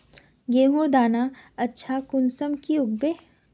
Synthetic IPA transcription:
ɡeːmoɾd̪aːnaɐtːʃʰakʊnsəmkiʊɡ̚beː

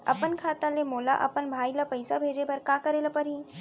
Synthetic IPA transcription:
ɐ̰pənkʰaːt̪ãlemoːla̰ʔɐ̰pənbʱaːilɐpɐjsabʱeːd͡ʒepɐɾkãːkɐɾelapɐɾiː

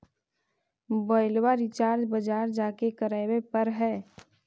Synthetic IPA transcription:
bəɪlwaɾɪt͡ʃaːɾd͡ʒbəd͡ʒaːɾd͡ʒaːkekəɾawepəɾɦɛː

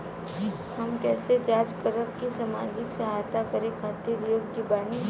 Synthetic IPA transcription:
hɐmkɛːsed͡ʒaːd͡ʒkəɾəpkisaːma̰ːd͡ʒɪksɐɦaːjt̪akəɾekʰaːt̪iɾjoːɡd͡ʒibaːni

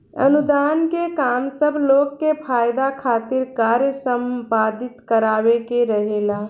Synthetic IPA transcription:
ə̰nud̪aːnkekaːmsəbʱloːkːepʰaːjd̪akʰaːt̪ɪɾkaːɾjəsəmpaːd̪ɪt̪kəɾaːwekeɾəɦelaː

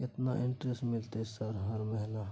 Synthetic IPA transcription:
ɪt̪naʔɪ̃ɳtɾesʈmɪlt̪esəɾɦəɾmɛɦla

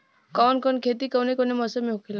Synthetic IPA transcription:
kɔnkɔnkʰet̪ikɔwnekɔnemɔsɔmiɦukʰila

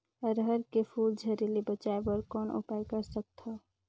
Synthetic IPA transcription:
əɾɦəɾkepʰuːld͡ʒʱəɾilibət͡ʃaebəɾkɔːnʊ̰paɪkəɾsək̚t̪ɦɔ

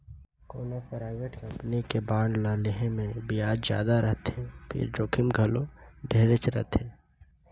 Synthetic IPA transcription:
koːnapɾaːɪʋeːʈkə̃mpənikebaːɳlaːlɪɦẽmẽbijaːd͡ʒzja̰ːd̪aɾəɦt̪ɦɛ̃pʰɪ̰ɾd͡ʒoːkʰɪmɡʱəloɖʱeːɾet͡ʃɾə̰ɦt̪ɦẽː

